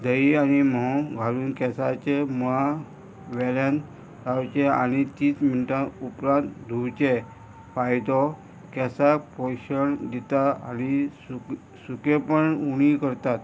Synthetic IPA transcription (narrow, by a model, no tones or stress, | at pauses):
d̪əianimɔɡʱaluːnkɛsat͡ɕemɔɦa | ʋɛljan | ɾawt͡ɕea̰ñit̪iːsminiʈãupɾãnt̪d̪ʱuɾt͡ɕe | pajd̪ɔ | kɛsapɔjɕəɳd̪it̪aañisu | sukepəɳuɽ̃ikəɾt̪at̪